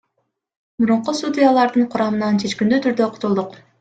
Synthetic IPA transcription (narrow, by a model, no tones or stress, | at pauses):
buɾuɴqust̪ud̪ʲijalˠɑɾd̪ɯɴqʰʊɾɑmɯnɑnt͡ʃʰe̞t͡ʃkend̪yt̪ʰyɾd̪øqʰʊ̥t̪ulˠd̪uq